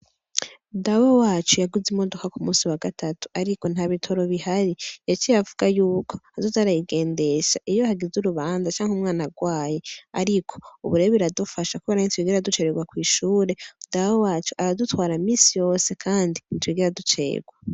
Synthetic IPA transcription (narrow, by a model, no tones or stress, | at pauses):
dawowaːt͡ʃujaɡuzimo̞do̞kakumuːsiwaɡatʰatu̥aɾiko̞n̥haβitʰo̞ɾo̞βihaɾijat͡ʃijavuɡ̥ajuːkʰo̞hazutaɾajiɡe̞ːnde̞ʃaʔijohaɡizuɾuβaːnzat͡ʃaːŋhumŋaːnaɡwaːjeaɾikʰo̞uβuɾe̞oβiɾadufaʃakuβeɾahintwiːɡiɾadut͡ʃeɾeɡwakwiːʃuːɾe̞dawowaːt͡ʃuʔaɾadutwaːɾamiːsijo̞ːse̞kʰaːndintwiːɡeɾadut͡ʃe̞̰ːɡ̥wa